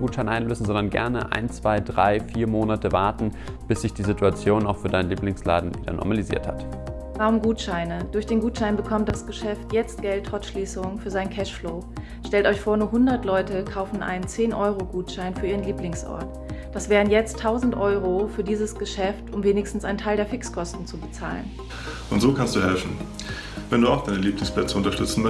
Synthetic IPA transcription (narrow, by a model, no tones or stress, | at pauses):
ɡuːtʃaɪnʔaɪnløːsn̩zɔndɐnɡɛ̰ɐnə̰ʔa̰ɪnt͡sv̥aɪdʁa̰ɪfiːɐmoːnatəvaɐtn̩ | b̥ɪsz̥ɪçd̥iːzituat͡sjoːnaʊxfyːɐdaɪnliːplɪŋsla̰ːdn̩viːdɐ̰nʔɔ̰ɐmalizḭːɐthat | vaːʁʊmɡuːtʃaɪnəd̥ʊɐçd̥eːnɡuːtʃaɪnbəkʰɔmt̚d̥asɡ̥əʃɛftjɛt͡st̚ɡ̥ɛlthɔtʃliːsʊŋfyːɐzaɪnkʰɛʃfloː | ʃtɛltʔɔʏçfoːɐnuːɐhʊndɐtlɔʏtəkʰaʊfn̩ʔa̰ɪnənt͡seːnʔɔʏʁoɡuːtʃaɪnfyːɐiːʁ̞ənliːplɪŋsʔɔ̰ɐt | d̥asv̥eːʁ̞ənjɛt͡stʰːaʊzn̩tʔɔʏʁ̞ofyːɐdiːzəsɡ̥əʃɛftʔʊmveːnɪçstn̩sʔaɪnəntʰaɪldeɐfɪkskʰɔstn̩t͡subət͡sa̰ːlə̰n | ʔʊntz̥oːkʰanstd̥uːhɛlfn̩ | vɛnduːaʊxd̥aɪnəliːplɪŋspʰlɛt͡səʊntɐʃtʏt͡sn̩m